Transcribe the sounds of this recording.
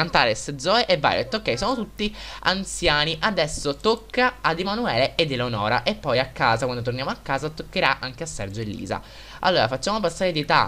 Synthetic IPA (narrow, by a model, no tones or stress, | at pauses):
ant̪aːlesd̪zɔːeʔevːa̰ːɾjo̰et̪ːokːɛjsɔːnot̪ut̪ːia̰nt̪sjaːniʔad̪ɛsːot̪okːaːd̪emanuɛːleed̪ːilonɔːɾa̰ʔepːɔjakːaːzakwand̪ot̪̬ornjaːmoakːaːzat̪okːeɾaʔaŋk̟easːɛ̰rd͡ʒoelːḭːza̰ | a̰lːoːɾafat͡ʃːaːmop̬asːaːɾed̪it̪a̰